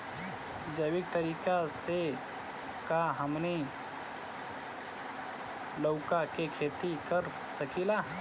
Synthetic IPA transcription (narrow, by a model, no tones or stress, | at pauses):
d͡ʒəwɪk̚t̪əɾiːkase | kaɦəmne | loʊkakekʰeːt̪ikəɾ | sɐkilaː